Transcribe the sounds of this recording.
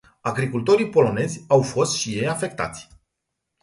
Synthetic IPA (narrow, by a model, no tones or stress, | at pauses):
aɡɾikult̪o̞ɾijpo̞lo̞ne̞zʲawfo̞st̪ʃije̞jafe̞k̚t̪a̰t̪sʲ